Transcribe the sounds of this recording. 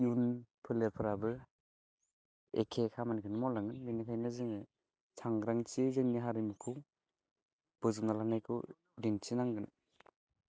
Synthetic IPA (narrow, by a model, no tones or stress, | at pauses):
junpʰɯleɾpʰɯɾabɯ | ḛkʰekʰamanikʰɯnɯmawlaŋɯnbinikʰajnɯziŋɯ | sʰaŋɾaŋt͡ʃizeŋniɦaɾimɯkʰɯw | b̥ɯzumnalanajkʰɯw | dint͡ʃinaŋɡɯn